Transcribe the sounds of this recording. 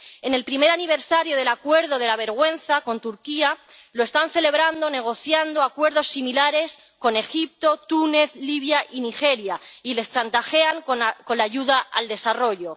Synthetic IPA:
e̞ne̞lpɾime̞ɾaniβ̞e̞ɾsaɾjoð̞e̞lakwe̞ɾðo̞ðe̞laβ̞e̞ɾɣwẽ̞n̟θako̞nt̪uɾkialoe̞st̪anθe̞le̞β̞ɾand̪o̞ne̞ɣ̞o̞θjand̪o̞akwe̞ɾðo̞sːimilaɾe̞s | ko̞ne̞xip̚t̪o̞t̪une̞θliβ̞jaʔinixe̞ɾjaile̞st͡ʃant̪axe̞aŋkko̞nlaʝuðaa̰ld̪e̞saro̞ʝo̞

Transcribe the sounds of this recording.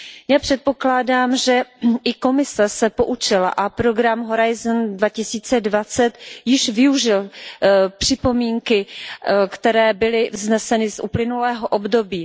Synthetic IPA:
jaːpr̝̥ɛt̪̚po̞klaːdaːmʒɛʔɪko̞mɪsɛsɛpo̞ʔut͡ʃɪla̰ʔapɾo̞ɡɾamɦo̞ɾajzndvacɪsiːt͡sɛdvat͡sɛt̪jɪʃvɪuʒɪl | pr̝̥ɪpo̞miːŋkɪkt̪ɛɾɛːbɪlɪvznɛsɛnɪzʔuplɪnulɛːɦoʔobdo̞biː

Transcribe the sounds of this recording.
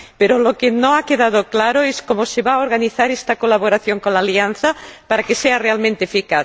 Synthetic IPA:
peɾolokenõakeðað̞oklaɾoeskomoseβaoɾɣaniθaɾest̪akolaβoɾaθjoŋkonlaːlianθapaɾakesearealmẽnt̪eefika

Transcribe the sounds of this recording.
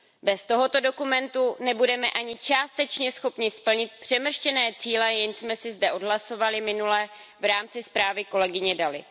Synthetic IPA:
bɛst̪o̞ɦo̞t̪o̞do̞kumɛnt̪unɛbudɛmɛʔaɲɪt͡ʃaːst̪ɛt͡ʃɲɛsxo̞pɲɪspl̩ɲɪt̪̚pr̝̥ɛmr̩ʃcɛnɛːt͡siːlɛjɛnsmɛsɪzdɛʔo̞dɦlaso̞valɪmɪnulɛː | vɾaːmt͡sɪspɾaːvɪko̞lɛɡɪɲɛdalɪ̰

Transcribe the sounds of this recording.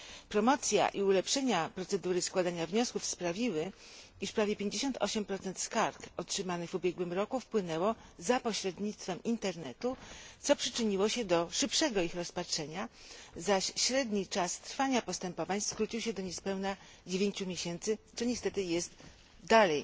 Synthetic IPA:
pɾɔmɔt̪sʲja̰ʔiulɛpʂɛɲapɾɔt̪sɛd̪uɾɘskwad̪aɲavɲɔskufspɾavʲiwɘiʂpɾavʲjɛpʲjeɲd͡ʑeɕɔnt̪ʰɔ̰ɕɛmpɾɔt̪sɛnt̪skaɾkɔtʂɘmanɘvubʲjɛɡwɘmɾɔkufpwɘnɛwɔzapɔɕɾɛd̪ɲit̪st̪fɛmint̪ɛɾnɛt̪ut̪sɔpʂɘt͡ʂɘɲiwɔɕɛd̪ɔʂɘpʂɛɡɔixɾɔspatʂɛɲa | zaɕɕɾɛd̪ɲit͡ʂast̪ɾfaɲapɔst̪ɛmpɔvaɲskɾut͡ɕiwɕɛd̪ɔɲɛspɛwna | d͡ʑevʲeɲt͡ɕumʲjeɕɛnt̪sɘt͡ʂɨɲɛst̪ɛt̪ɘjɛst̪ | d̪alɛj

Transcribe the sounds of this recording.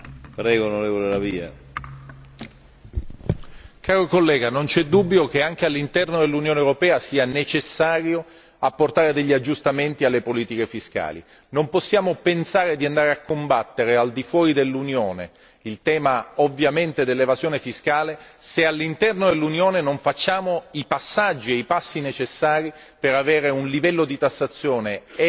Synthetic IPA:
pɾɛːɡoːnoɾeːvolelaviːa̰ | kaːɾokolːɛːɡanont͡ʃɛd̪ːubːjokeaŋk̟ealːint̪ɛrnod̪elːunjoːnewɾopɛːasiːanet͡ʃesːaːɾjo | apːort̪aːɾed̪eʎːiad͡ʒːust̪ament̪ialːepoliːt̪ikefiska̰ːlḭ | nomposːjaːmopensaːɾed̪iand̪aːɾeakːombat̪ːeɾeald̪ifwɔːɾid̪elːunjoːnḛ | ilt̪ɛːmaovːjament̪ed̪elːevazjoːnefiskaːlesealːint̪ɛrnod̪elːunjoːnenoɱfat͡ʃːaːmoipasːad͡ʒːieipasːinet͡ʃesːaːɾi | peɾaveːɾeunlivɛlːod̪it̪asːat̪sːjoːneɛ

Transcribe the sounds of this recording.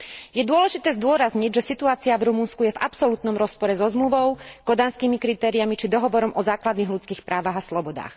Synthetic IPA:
jɛd̪ʊɔlɛʒit̪ɛːzd̪ʊɔɾazɲiɟʒɛsit̪uaːt͡siavɾumunskujɛva̰psɔlut̪nɔmɾɔspɔɾɛzɔzmluʋɔʊkɔd̪aːnskiːmikɾit̪ɛːɾijamit͡ʃid̪ɔɦɔʋɔɾɔmʔɔzaːklad̪niːɣlut͡skiːxpɾʔaːʋaːɣaslɔbɔd̪a̰ːx

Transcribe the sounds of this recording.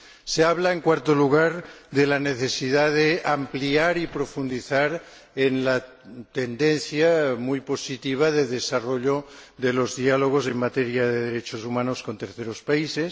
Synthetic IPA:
seaβlaeŋkwaɾt̪oluɣ̞aɾðelaneθesiðaðeampliaɾipɾofund̪iθaɾ | enla | t̪end̪enθjamujpo̞sit̪iβ̞aðeðesaroʎoðelozðialoɣ̞osemmat̪eɾjaðeð̞eɾet͡ʃosumanoskont̪eɾθeɾospaises

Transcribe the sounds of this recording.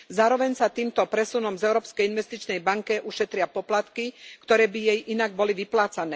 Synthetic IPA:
zaːɾɔʋɛɲsat̪iːmt̪ɔpɾɛsunɔmzɛʊɾɔːpskɛjinʋɛst̪it͡ʃnɛjbaŋkɛʔuʃɛt̪ɾɪapɔplat̪kikt̪ɔɾɛːbijɛjʔinaɡ̚bɔliʋiplaːt͡sanɛː

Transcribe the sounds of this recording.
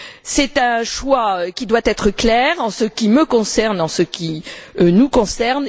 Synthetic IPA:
sɛt̪ɛ̃ʃwaøkʲid̪wat̪ɛt̪χəklɛːʁɑ̃səkʲiməkɔ̃sɛʁnɑ̃səkʲinukɔ̃sɛʁn

